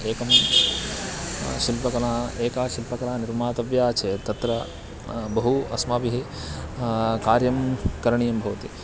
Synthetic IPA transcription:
eːkɐm | ʃilpɐkɐnaːeːkaːʃilpɐkɐnaːniɾmaːt̪ɐʋjaːt͡ʃʰeːt̪ɐt̪ɾɐ | bɐɦuɐ̰smaːbiɦi | kaːɾjɐmkɐɾɐɳijɐmbʱɐʋɐt̪ḭ

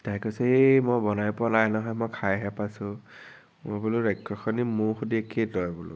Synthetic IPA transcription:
takɔsɛemɔjbɔnajpʊalajnɔɦɔjmɔjkʰajɦɛpasʊ̃ | mʊbulʊɹɛkʰːɔxʰɔnimʊɹxudiekʰedɔjbʊlʊ̰

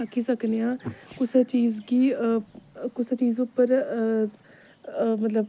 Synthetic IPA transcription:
əkʰːiːsəknejãːkʊseːt͡ʃiːzɡiː | kʊset͡ʃiːzʊpːəɾ | mət̪ləb

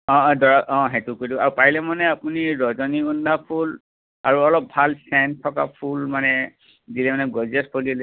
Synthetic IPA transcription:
ɔ̃dɔɹaɔ̃ɦetukodiaɹupaɦilɛmanɛapuniɹɔzɔniundʱapʰul | a̰ɹuɔlɔp̚bʱalsɛntʰːɔka̰pʰulmanɛ | dilɛmanɛɡɔzɛspolil

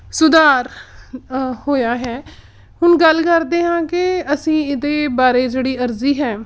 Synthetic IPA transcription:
sʊd̪aːɾ | hoːjaːɦɛː | hʊnɡəlkəɾd̪eːɦãːkɪəsĩːɪd̪eːbaːɾeːd͡ʒeːɽiːəɾziːɦɛː

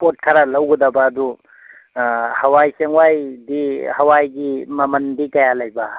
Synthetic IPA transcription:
pot̚kʰaɾalɐwɡud̪abaːd̪u | hɐwajseŋwajdihɐwajɡimɐməndikɐjalajba

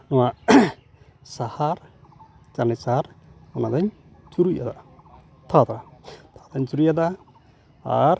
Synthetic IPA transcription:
nɔwa | sahaɾ | t͡ʃanɛsaɾɔnad̪aɲ | t͡ʃuɾujad̪a | t̪ʰat̪ɾat̪ʰad̪aɲt͡ʃuɾujad̪a | a̰ɾ

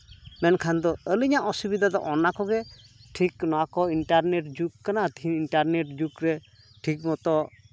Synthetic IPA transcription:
mɛnkʰand̪ɔəliɲaʔɔsubid̪ʱad̪ɔ̰ʔɔnakɔɡɛ | ʈʰiknɔakɔiɳʈaɾneʈ̚d͡ʒukːanat̪ʰiniɳʈaɾneʈ̚d͡ʒukɾɛ | ʈʰik̚mɔt̪ɔ

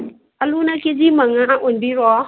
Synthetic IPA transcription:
alunaked͡ʒimaŋaʔonbiɾɔ

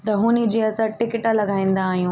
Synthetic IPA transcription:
t̪ɐɦũːnid͡ʑeːɐsəɾʈɪkɪʈalɐɡaːĩːn̆d̪aːɦijũː

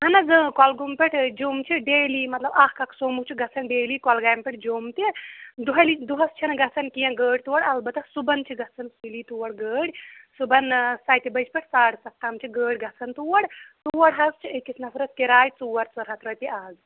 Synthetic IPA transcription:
ɦɐnɐzɨkɔlɡumpeʈʰd͡ʒoːmt͡ʃʰiɖeːlimɐt̪lɐbaːkkaksoːmukt͡ʃʰiɡɐt͡sʰɐnɖeːlikɔlɡaːjmpeʈ̚ʰd͡ʒoːmt̪id̪uɦɐlid̪uɦɐst͡ʃʰinɡɐt͡sʰɐnkijɐ̃ɡəːɽʲt̪uwɐɽɐlbɐt̪ɐsubɐnt͡ʃʰiɡɐt͡sʰɐnsilit̪uwɐɽɡəːɽʲsubɐnsaːjt̪ibɐt͡ʃpeʈʰsaːɽsɐk̚t̪ːamt͡ʃʰiɡəːɽʲɡɐt͡sʰɐnt̪uwɐɽt̪uɐɽɦɐst͡ʃʰiekːisʰnɐfʰɾɐskeɾaːjt͡suwɐɽt͡sɐɾɦɐt̪ɾɐt̪iaːz

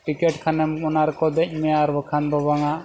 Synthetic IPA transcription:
ʈikɛʈkʰanɛmkɔnaɾɛkɔd̪ɛc̚ˀmɛjaɾbəkʰanbɔβaŋaʔ

